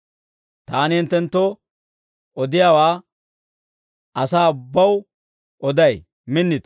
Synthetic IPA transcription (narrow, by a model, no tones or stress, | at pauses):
t̪aːnɪhɪnt̪ːɛnt̪ːɔ | ʔɔd̪ɪjaːwaː | ʔɐsaːʊbːɐw | ʔɔd̪ɐj | mɪnːɪd̪